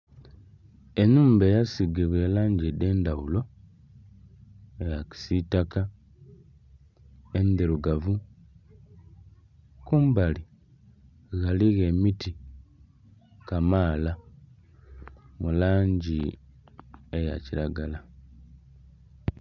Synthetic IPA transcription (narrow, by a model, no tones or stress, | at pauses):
e̞nuːmbe̞jasiɡeβwe̞ːlaːɲɟede̞ːndawulo̞ | ejaki̥sitaka | end̪eɾuɡavu | kuːmbali | ɣaliɣemiti | kamaːla | mulaːɲɟi | eja̰ciɾaɡala